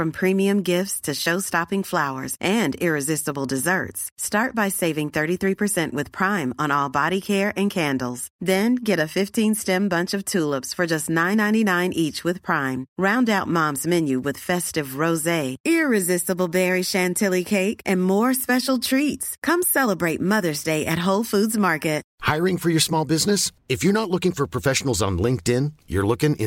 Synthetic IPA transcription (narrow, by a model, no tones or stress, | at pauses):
fɹʌ̃mpʰɹ̥ĩmiɨ̃mɡɪftstʰɨʃoʊstɑpɪ̃ŋflaʊə̰˞zʔɨ̃nɪɹɨzɪstəbl̩ˠdɨzɜ̰˞tstɑɹt̚b̥aɪseɪvɪ̃ŋθɜ˞ɾiθɹipʰə˞sɛ̃nʔwɨð̥pʰɹ̥ãɪ̃mə̃nɔlˠbɑɾikʰɛɹʔɨ̃nkʰæ̃ndl̩ˠz̥ðɨ̃nɡɛɾɨfɪftʰĩnstɛ̃mbʌ̃nt͡ʃʌv̥tʰulˠəpsfə˞d͡ʒʌstⁿnãɪ̃nãɪ̃ninãɪ̃nʔit͡ʃwɨð̥pʰɹ̥ãɪ̃mɹãʊ̃ndaʊt̚mɑ̃mzmɛ̃njʉwɨð̥fɛstɨvɹoʊzeɪɪɹɪzɪstəbl̩ˠbɛɹiʃæ̃ntʰɪlˠikʰeɪkɨ̃nmɔɹspɛʃl̩ˠtʰɹ̥itskʰʌ̃msɛlˠəbɹeɪt̚mʌðə˞zdeɪʔɨt̚ɦoʊlˠfudzmɑɹkɨt̚haɪɹɪ̃ŋfə˞jə˞smɔlˠbɪznɨsɨfjə˞nətˡlʊkɪ̃ŋfə˞pʰɹ̥əfɛʃn̩l̩ˠzn̩lɪ̃ŋk̚tɪ̃njə̰˞lʊkɪ̃ŋɪ̰̃